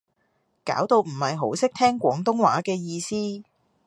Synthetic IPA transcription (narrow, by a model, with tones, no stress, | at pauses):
ka̰ː˨˥wt̪o˧wm̩˨˩hɐ˨jɦo˨˥wsɪ˥k̚t̪ʰɛː˥ŋkʷɔː˨˥ŋt̪ʊ˥ŋwaː˨˥kɛː˧jiː˧siː˥